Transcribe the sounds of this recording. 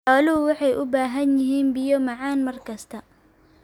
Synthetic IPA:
ħɔːlɪʊwɑħɑjʔʊbaːɦɐnjɪɦiːnbijɔmɑʕɑːnmɐrkʰɐst̪ʰɐ

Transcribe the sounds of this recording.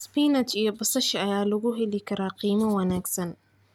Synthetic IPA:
spiːnɐt͡ʃijɔbɐsɐʃɐɐjaːlɐɣʊɦɛlɪkʰɐɾaːqiːmɐwɐnaːɡsɐn

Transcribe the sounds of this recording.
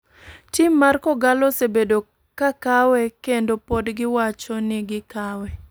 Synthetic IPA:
t͡ʃɪmmːarkɔɡalɔsebedo | kakawɛkendopodɡɪwat͡ʃɔnɪɡɪkawɛ

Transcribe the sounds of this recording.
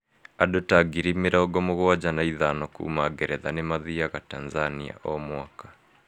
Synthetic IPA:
adotaɡiɾimeɾaɔɡɔmoɣoad͡ʑanaiðanɔkṵmaɡɛɾɛðanemaðiaɣatanzania̰ʔɔmwakḁ

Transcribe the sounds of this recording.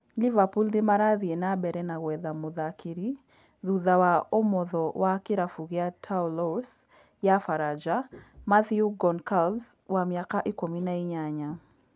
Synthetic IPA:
livapuldɪmaɾaðienabɛɾɛnaɣwɛðamʊðakʰiɾi | ðuðawaomɔðɔwʔakɪɾafuɡɪatʰaulɔs | jafaɾad͡ʒamaθjuɡɔnkalbswamjakaʔɪkwominaɪɲaɲa

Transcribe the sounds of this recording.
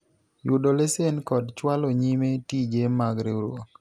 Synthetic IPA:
judolesenkɔdt͡ʃwaloɲimetid͡ʒemaɡɾeɾwoŋ

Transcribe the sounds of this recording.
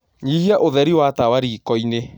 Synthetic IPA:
ɲihiaʔoðɛɾiwatawaɾiːkɔine

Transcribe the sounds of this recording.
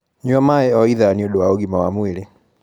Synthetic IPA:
ɲwamaɛɔiðaniodowaoɣimawamwiɾe

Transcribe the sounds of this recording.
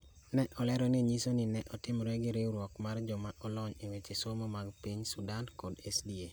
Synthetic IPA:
nɛʔɔlɛɾɔniɲisonɪnɛʔɔtɪmɾɛɡɪɾeuɾwɔkmard͡ʒɔmaʔɔlɔɲewet͡ʃesomɔmaɡpiɲsudankɔdesdie

